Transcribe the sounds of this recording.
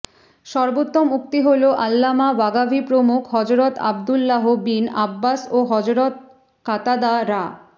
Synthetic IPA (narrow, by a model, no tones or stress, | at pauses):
ʃɔɾbot̪ːomuk̚t̪iɦoloʔalːamabaɡabʱipɾomukʰɦɔd͡ʑɾot̪a̰bd̪ulːaɦobina̰bːasoɦɔd͡ʑɾot̪̚ | kat̪ad̪aɾa